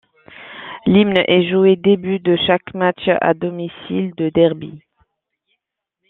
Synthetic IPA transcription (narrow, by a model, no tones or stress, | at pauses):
limnʔɛʒued̪ebyd̪əʃakmat͡ʃa̰d̪ɔmisḭld̪əd̪ɛʁbi